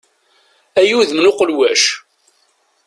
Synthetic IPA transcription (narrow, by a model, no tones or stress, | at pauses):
æjuðmnʊqəlwæʃ